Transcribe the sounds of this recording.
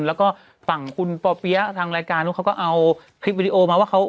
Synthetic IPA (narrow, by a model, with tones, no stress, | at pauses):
nlɛː˦˥wkɔː˥˩ | fa˨˩ŋkʰu˧npɔː˧pi˦˥ɐ˥˩t̪ʰaː˧ŋɾaː˧jkaː˧nːu˦˥kʰa˦˥wkɔː˥˩ʔa˧w | kʰɾi˦˥p̬̚i˧i˧ʔoː˧maː˧waː˥˩kʰa˦˥w